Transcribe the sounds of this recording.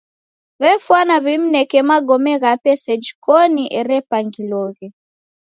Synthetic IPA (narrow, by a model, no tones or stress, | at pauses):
βɛfwanaβim̩nɛkɛmaɡɔmɛɣapɛsɛd͡ʒikɔniʔɛɾɛpaŋɡilɔɣɛ